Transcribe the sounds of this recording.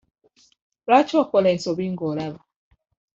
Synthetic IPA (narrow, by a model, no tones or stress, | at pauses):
ɾat͡ʃɔkɔlɛsoβiŋɡɔlaβa